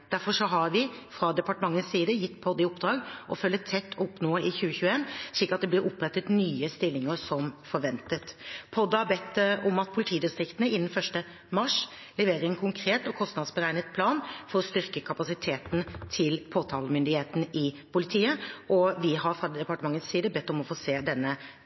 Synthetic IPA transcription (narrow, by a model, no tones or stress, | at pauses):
d̪̥æɾfɔʂɔɦɑɾʋɪfɾɑd̪ɛpɑʈəmɑŋːənsːiːd̪əjɪt̪ːpʰɔd̪ːɪʊpd̪ɾɑːɡʔɔfœlːət̪ʰːɛt̪ʰːʊpːnoːɪçʉːəçʉːəeːnʂɭiːkɑt̪d̪ɛb̪ɪɾʊpːɾɛt̪ːət̪nyːəst̪ɪlːɪŋəsɔmfɔɾʋɛnt̪ət̪pʰɔd̪ːəhɑbɛt̪ːəɔmɑt̪̚pʰʊlɪt̪ʰiːd̪ɪst̪ɾɪkt̪ənəɪnːənfœʂʈə | mɑʂ | lɛʋeːɾəɾɛnkʰʊŋkʰɾeːt̪ɔkʰɔst̪nɑd̪sbəɾæɪnət̪̚pʰlɑːnfɔɾɔst̪ʏɾkəkʰɑpɑsɪt̪ʰeːt̪n̩t̪ʰɪlpʰoːt̪ʰɑːləmʏnd̪ɪheːt̪n̩ʔɪ | pʰʊlɪt̪ʰiːəʔɔʋɪɦɑɾfʁɑd̪ɛpɑʈəmɑŋːəssiːd̪əbɛt̪ːʊmɔfoːseːd̪ɛnːə